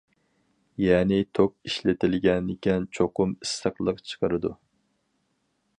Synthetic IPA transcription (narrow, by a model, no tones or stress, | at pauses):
jɛːnɪt̪ʰok̚iʃlɪt̪ʰɪlɡʲɛnɪkʲɛnt͡ʃʰoqʊmist̪ʰəχlˠəqt͡ʃʰə̥qəɾɨd̪u